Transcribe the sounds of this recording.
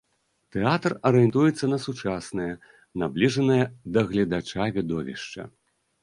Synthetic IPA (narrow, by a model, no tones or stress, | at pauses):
t̪ɛat̪rɐɾɨjɛnt̪ujɛt̪sːɐnɐsut͡ʂasnɨjɐ | nablʲiʐɐnɨjɐd̪ɐɣlʲɐd̪at͡ʂavʲid̪ɔvʲḭʂt͡ʂɐ̰